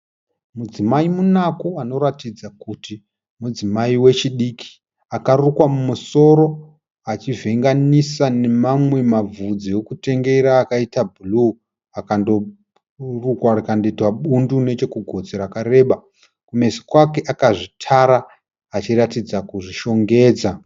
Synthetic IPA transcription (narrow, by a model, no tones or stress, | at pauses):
mud͡zimaimunakoano̞ɾatid͡zakuti | mud͡zimaiwe̞t͡ʃiɗikʰi̥ | akarukwamumuso̞ɾo̞ | at͡ʃive̞ŋɡanisane̞mamwe̞mavud͡zijokute̞ŋɡe̞ɾaːkaitabʱulu | akando̞ | rukwarikandoitwaɓundune̞t͡ʃe̞kuɡʱo̞d͡zeɾakaɾe̞ːɓa | kume̞si̥kwake̞ʔakaʐitʰaɾaː | t͡ʃiratid͡zakuʐiʃo̞ŋɡe̞ːd͡za